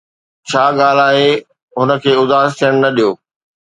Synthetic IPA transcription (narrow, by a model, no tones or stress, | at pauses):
t͡ɕʰaːɡaːl̤aːɦe | ɦʊnə̆kʰeːʊd̪aːzt̪ʰijəɽ̃nɐɗijoː